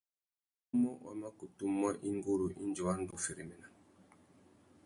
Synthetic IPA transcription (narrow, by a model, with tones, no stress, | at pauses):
u˦mɔ˦wa̰˨ma˦ku˨tu˦mːwa˦ʔi˦ŋɡo˦ɾu˨ʔi˦nd͡ʒu˨wa˦n˦du˨fɛ˨ɾi˨mɛ˨na˨